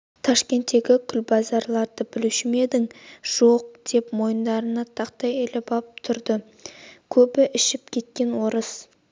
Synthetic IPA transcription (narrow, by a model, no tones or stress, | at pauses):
t̪ʰɑʃkʲe̞nt̪ːe̞ɡʲɪkʲʰʏlbɑzɑɾlˠɑɾd̪əbɪlɪʃɪme̞d̪ɪŋʒ̥o̞q̚d̪̥e̞pmo̞jənd̪ɑɾənɑt̪ʰɑqt̪ɑjelɪbɑp̚t̪ʰʊɾd̪ə | kʲʰɵbɪʔɪʃɪpkʲʰe̞t̪̚kʲe̞nwo̞ɾəs